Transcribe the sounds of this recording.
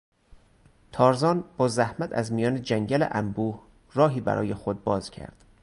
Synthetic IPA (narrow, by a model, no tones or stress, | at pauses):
t̪ʰɒːɾzɒːnb̥ɒːzæhmæt̪ʰæzmijɒːned͡ʒæŋɟælḛʔæmbuːh | rɒːɦiːbæ̰ɾɒ̰ːjexod̪̚bɒːzcʰæ̰ɾd̪̥